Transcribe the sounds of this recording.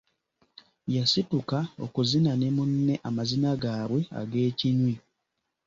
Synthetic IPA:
jasitukao̰kuzinanemunːe̞ʔamazinaɡaːβwe̞a̰ɡe̞ːciɲwi

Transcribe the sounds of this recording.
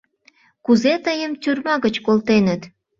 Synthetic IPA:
kuzet̪əjəmt̪ʲyrmɑɣət͡ɕkolt̪enət̪

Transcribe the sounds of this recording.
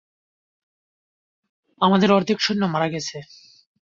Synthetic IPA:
amad̪eɾɔɾt̪ʰikʃonːomaɾaɡɛt͡ɕʰe

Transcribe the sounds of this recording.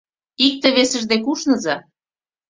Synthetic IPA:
ik̚t̪ĕβesə̆ʒd̪ekuʃnɤ̆zɑ

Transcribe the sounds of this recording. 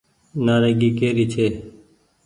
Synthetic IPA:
naːɾeːɡiːkeːɾiːt͡ʃʰeː

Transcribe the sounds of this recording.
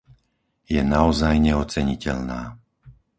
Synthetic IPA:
jɛnaɔzajɲɛɔt͡sɛɲicɛʎna̰ː

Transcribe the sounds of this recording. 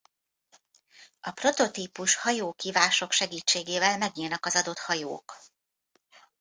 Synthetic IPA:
ʔɒpro̞t̪o̞t̪iːpuʃhɒjoːkiːvaːʃo̞kʃɛɡiːt͡ʃːeːɡeːvɛlmɛɡɲiːlnɒkɒzɒd̪o̞t̪hɒjo̰ːk

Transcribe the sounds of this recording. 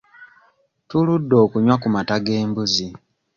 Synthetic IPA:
tuludːo̞ːkuɲwakumataɡe̞ːmbuzi

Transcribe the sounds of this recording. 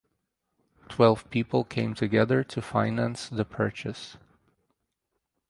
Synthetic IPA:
tʰwɛlˠv̥pʰipl̩ˠkʰẽɪ̃mtʰɨɡɛðə˞ɾʰɨfãɪnæ̃nsðəpʰɜ˞t͡ʃɨs

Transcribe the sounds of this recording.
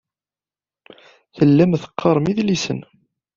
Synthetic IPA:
θəlːæmθə̥qʰːɑɾˤmiðlisə̰n

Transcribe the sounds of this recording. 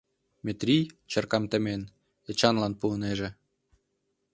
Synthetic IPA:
mʲet̪rʲijt͡ɕərkɑmt̪ə̆men | et͡ɕɑnlɑnpuəneʒĕ

